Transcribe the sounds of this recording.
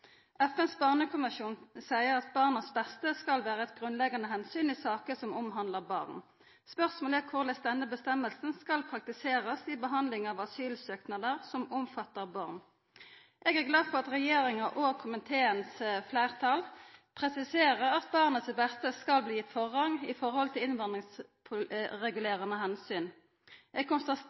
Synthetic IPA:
ʔæfɛnsbɑʁnəkʰʊmɪʃuːnsæɪəʁɑt̪̚bɑːʁnəsbɛst̪əskɑlʋæːʁəɛt̪̚ɡʁʉnlɛɡɑnəɦhɛnsyːnɪsɑːkəsɔmɔmɦɑnd̪ləʁbɑ̰ːʁn | spœʁsmoːlæːkʰʊʁlɛsd̪ɛnəbəst̪ɛmːəlsn̩skɑlpʰʁɑk̚t̪ɪseːʁəsɪbəɦɑnd̪lɪŋɑːʋɑsyːlsøːknɑd̪əʁsɔmʊmfɑt̪ːəʁbɑʁn | ʔɛɡæʁɡlɑːd̪fɔʁɑt̪ʁɛjeːʁɪŋɑʔokʰʊmɪt̪ʰeːənsflæːʁt̪ʰɑːlpʰʁɛsɪseːʁəʁɑt̪bɑːʁnət̪sbɛst̪əskɑlbliːɪt̪fɔʁhɑŋɪfɔʁhɔlt̪ʰɪlɪnʋɑnd̪ʁɪŋspʰʊʁɛɡʉleːʁənəɦɛnsyːn | ɛɡ̚kʰɔnst̪ɑ

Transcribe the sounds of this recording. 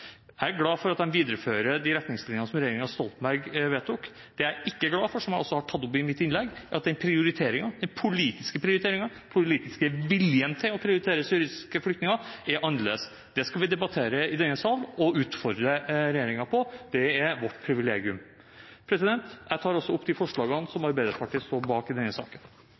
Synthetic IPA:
æɡlɑːfɔɾɑt̪̚d̪ɛnʋiːd̪əɾəføːɾəd̪ɪɾɛt̪nɪŋslɪnjɑnəsɔmɾɛjeːɾɪŋɑst̪ɔlt̪m̩bæɾɡʋeːt̪ʰːʊk | d̪ɛæɾɪkːəɡlɑːfɔʂɔmjæɪɔsːɔhɑʈʰɑt̪ːɔpɪmɪt̪ːɪnlɛɡʔɑ̰t̪̚d̪ɛnpʰɾɪʊɾɪt̪ʰeːɾɪŋɑd̪ɛnpʰʊliːt̪ɪskəpʰɾɪʊɾɪt̪eːɾɪŋɑpʰʊliːt̪ɪskəʋɪljənt̪ʰɪlɔpʰɾɪʊɾɪt̪ʰeːɾəsyːɾɪskəflʏkt̪nɪŋɑæɾʔɑnlḛs | d̪̥ɛskɑlʋɪd̪ɛbɑt̪ʰeːɾəɪd̪ɛnːəsɑlːɔʉːt̪fɔɾd̪ɾəɾɛjeːɾɪŋɑpʰɔd̪̥ɛæʋɔʈːpʰɾɪʋɪleːɡɪʉm | pʰɾɛsɪd̪ɛnt̪jæɪt̪ʰɑːɾɔsːɔʊpːd̪ɪfɔʂɭɑːɡəɑnsɔmɑɾbæɪd̪əɾpʰɑʈʰiːəst̪oːɾbɑːkɪd̪ɛnːəsɑ̰ːkən

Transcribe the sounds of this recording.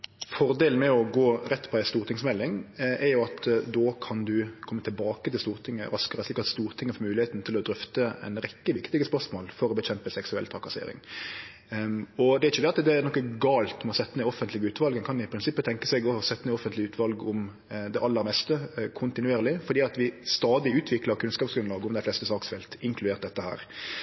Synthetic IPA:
fɔɾd̪eːln̩mɛɔɡoːɾɛt̪ːpʰɔd̪æɪst̪uːʁt̪ʰɪŋsmɛlːɪŋʔɛɾjʊɑt̪d̪oːkʰɑnd̪ʉkʰɔmːət̪ʰɪlbɑːkət̪ʰɪlst̪uːʁt̪ʰɪŋːə̰ɾɑskəɾəslɪkːɑt̪st̪uːɾt̪ʰɪŋːəfɔɾmʉːlɪheːt̪n̩t̪ʰɪlɔd̪ɾʏft̪əɛ̰ɪnɾɛkːəʋɪkt̪ɪɡəspœʁsmoːlfɔɾɔbɛçɛmpəsɛksʉɛ̰lt̪ʰɑkɑsḛːɾɪ̰ŋ | ɔd̪ɛɾɪçːəd̪ɛɑt̪d̪ɛnɔkːəɡɑːlt̪mɔsɛt̪ːəmɛɪɔfːənt̪lɪɡəʉːt̪ʋɑlɡɛnkʰɑnʋɪɪpʰɾɪnsɪpːət̪ʰɛŋkəsɛɡosɛt̪ːənɛɪɔfənt̪lɪʉːt̪ʰʋɑlɡʊm | d̪ɛʔɑlːəɾmɛst̪əkʰʊnt̪ɪnʉeːɾəlɪfɔɾd̪iːɑt̪ʋɪst̪ɑːd̪ɪʉːt̪ʰʋɪkləɾkʰʉnskɑːpsɡɾʉnlɑːɡəʊmd̪æɪflɛst̪əsɑːksfɛːlt̪ɪŋkʰlʉd̪eːɾt̪̚d̪ɛt̪ːəhæ̰ːɾ

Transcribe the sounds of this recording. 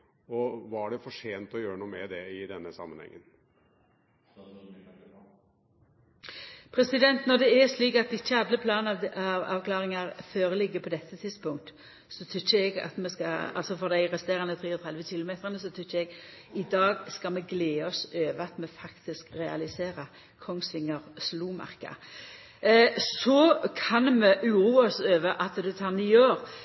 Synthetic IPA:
ɔʋɑæɖɛfɔʂeːnt̪ɔjøːɾənuːmɛd̪ɛɪd̪ɛnːəsɑ̰mːənhɛ̰ŋːən | pʰɾɛsɪd̪ɛnt̪nɔd̪ɛɛsliːkɑt̪d̪ɛɪçːəɑd̪ləpʰlɑːnɑɑʋɑ̰ʋkʰlɑːʁɪŋɑʁføːʁlɪɡːəpʰɔd̪ɛt̪ːət̪ʰɪd̪spʊŋkt̪ | sɔt̪ʰʏt͡ʃːəɛɡɑ̰t̪mɛskɑɑ̰lsɔfɔʁd̪æɪʁɛst̪eːɾɑnət̪ʰʁiːɔt̪ʰʁɛd̪ʋəçɪlʊmeːt̪ʁənəsɔt̪ʰʏt͡ʃːəɛɡɪd̪ɑːɡskɑmɛɡleːɔsøːʋəɑt̪mɛfɑkt̪ɪskʁɛɑ̰lɪseːɾə | kʰɔŋsʋɪŋːəʁsluːmɑ̰ʁkɑ̰ | sɔkʰɑnmɛʔʉɾuːɔsøːʋəʔɑt̪d̪ʉt̪ʰɑːʁniːøːɾ

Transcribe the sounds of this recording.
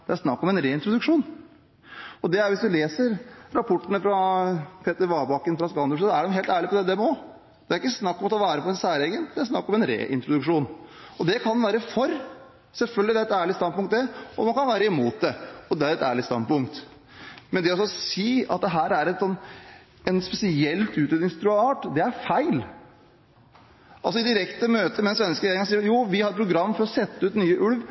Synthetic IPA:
d̪̥ɛæɾʂnɑkːɔmɛnɾeːɪnt̪ɾʊd̪ʉkʂuːn | ɔd̪ɛæɾʋɪsd̪ʉleːsəɾɾɑpʰɔʈːənəfɾɑpʰeːt̪əɾʋɑːbɑkːənfɾɑskɑnd̪əʂsɔæɖɛmɦeːlt̪æːɭɪpɔd̪ɛd̪ɛmɛɔ | d̪̥ɛæɾɪkːəsnɑkːɔmɑt̪ːɔʋæːɾəpʰɔɛnsæːɾeɡənd̪ɛæɾʂnɑkːɔmɛnɾḛːʔɪ̰nt̪ɾʊd̪ʉkʂuːnɔd̪ɛkʰɑnʋæːɾəfɔɾ | sɛlfœlɡlɪd̪æɾɛt̪æːɭɪst̪ɑnpʊŋkt̪d̪ɛɔmɑnkʰɑnʋæːɾəɪmuːt̪̚d̪ɛɔd̪ɛæɾɛt̪æ̰ːɭɪst̪ɑ̰npʊŋk̚t̪ | mɛnd̪ɛɔsɔɔsiːɑt̪̚d̪ɛɦæːɾæɾɛt̪sɔnː | ɛnspɛsɪɛlt̪ʉːt̪ɾeːd̪ɪŋst̪ʰɾʉːəɑːʈd̪ɛæɾfæɪl | ʔɑls̬ɔɪd̪ɪɾɛkt̪əmøːt̪əmɛnsʋɛnːəskəɾɛeːɾɪŋɑsiːjuːʋɪhɑɾpʰɾʊɡɾɑmːfɔɾɔsɛt̪ːəʉːt̪nyːəʔʉɽʋ

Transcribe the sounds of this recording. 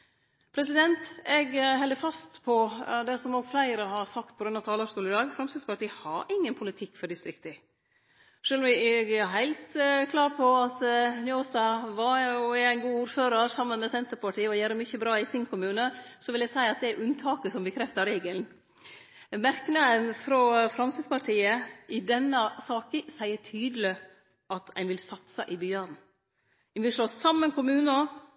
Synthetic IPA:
pʰɾɛsɪd̪ɛnt̪ɛɡɦɛld̪əfɑst̪pʰɔd̪ɛsɔmoːɡflæɪɾəhɑɾsɑk̚t̪̚pʰɔɡɾʉnɑʋt̪ʰɑːləst̪uːləɪd̪ɑːɡfɾɑmsɪspɑʈ̪ʰiːhɑɾɪŋːənpʰʊlɪt̪ʰɪkːfɔɖɪst̪ɾɪkt̪ə | ʂøːlɔmʋɪɛɡɛɦæɪlt̪kʰlɑːɾpʰɔɑt̪njoːst̪ɑʋɑɔɛæɪnɡuːuːɾføːɾəɾsɑmːənmɛsɛnt̪əɾpʰɑʈʰiːəɔjøːɾəmʏçəbɾɑːɪsɪnkʰʊmʉːnəsɔʋɪlæsæɪɑt̪̚d̪ɛæɾʔʉnt̪ʰɑːkəsɔmbəkʰɾɛft̪əɾeːɡəln | mæɾknɑənfɾɔfɾɑmsispʰɑʈʰiːəʔɪd̪ɛnːəsɑːkəsæɪəʈʰyːd̪əlɪ | ʔɑt̪ʰæɪnʋɪlsɑt̪səʔɪbʏjøːɖn̩ | æɪnʋɪlʂloːsɑmːənkʊmʉːnə

